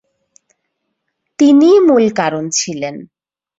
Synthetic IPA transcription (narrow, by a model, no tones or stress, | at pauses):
t̪inimulkaɾont͡ɕʰilen